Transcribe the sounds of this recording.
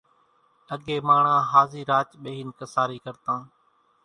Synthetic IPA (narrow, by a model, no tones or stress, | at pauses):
əɠeːmaːɳ̤ãːɦaːziːɾaːt͡ʃɓeːɦɪːnkəsaːɾiːkəɾt̪ãː